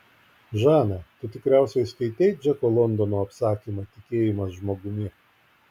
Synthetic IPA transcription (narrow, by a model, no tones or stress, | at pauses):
ʒɑːnɐt̪ʊt̪ʲɪkɾʲæˑʊsʲɛɪskɐɪt̪ʲɛɪd͡ʒʲɛkoːlˠɔnd̪ɔnoːɐpsɑːkʲimɐt̪ʲɪkʲeːjɪmɐsʒmoːɡʊmʲiɛ